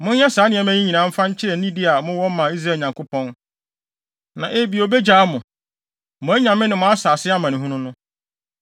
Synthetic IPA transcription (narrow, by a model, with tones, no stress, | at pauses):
mʊ̃˦n˦ɛ˦saː˨˦nɪ̃˨ɛ˨˦m˦æ̃˦ɲĩ˦ɲĩ˨nã˨˦m̩˦fã˦ɲ̩˦t͡ɕʰɪ˦ɾɛ˨nĩ˦dɪ˦a˨mʊ̃˦wɔ˦m˦mã˨i˦s̬ɾaː˦˨ɲã˨ŋkʰʊ˦pʰɔ̃˦n | nã˨ʔe˨˦bi˨o˨be˦d͡ʑaː˨˦mʊ̃˨ | mʊ̃˨æ˦ɲã˨mɪ̃˦nɪ̃˨mʊ̃˨˦a˦saː˨sɪ˦a˦mã˨nɪ̃˨ɦũ˦nʊ̃˦nʊ̃˦